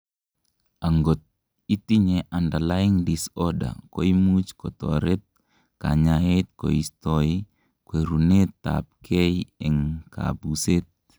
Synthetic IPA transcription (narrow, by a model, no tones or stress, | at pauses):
aŋɡɔt̪̚ | it̪iɲɛʔandalaɪŋdisɔda̰koimut͡ʃkɔt̪ɔ̰ɾɛt̪̚ | ka̰ɲaet̪̚ko̰ist̪ɔi | kweɾunet̪ːa̰p̚kʰɛjɛŋkʰa̰buset̪̚